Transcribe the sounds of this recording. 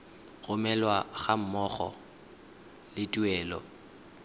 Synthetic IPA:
ɣʊmɛlwaɣam̩mɔɣɔ̰ | lɪtʼuɛːlɔ̰

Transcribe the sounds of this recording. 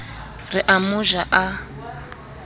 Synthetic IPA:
riʔamuʒaʔa

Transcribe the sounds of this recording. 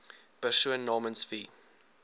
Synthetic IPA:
b̥əʃuənːɑːmənsfiː

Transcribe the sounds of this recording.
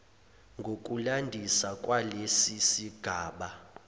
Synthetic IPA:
ŋɡʱok̬ʼulandʱisakʼwalesisiɡ̥ʱaːɓa

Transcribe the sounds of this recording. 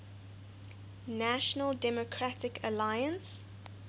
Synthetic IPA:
næʃənəldɛmɔkʰɹatɪkʰəlajə̃ns

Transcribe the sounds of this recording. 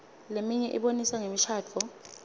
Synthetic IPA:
lemiɲɛʔḭɓonisaŋemiʃʰaːt͡fʰɔ

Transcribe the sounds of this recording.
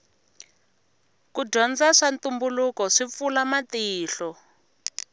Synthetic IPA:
kuɟɔnd͡zaʂant̪umbulukɔʂip̪fulamatiːɬɔ

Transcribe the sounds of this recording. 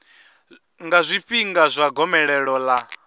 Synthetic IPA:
ŋɡazʷiɸiŋɡazʷaɡɔmɛɺɛɺɔla

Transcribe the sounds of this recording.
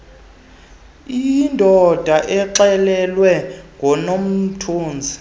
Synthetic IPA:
indʱɔd̥ʱaʔɛǁɛlɛlwɛŋɡʱɔnom̩tʰoːnd͡zʱi

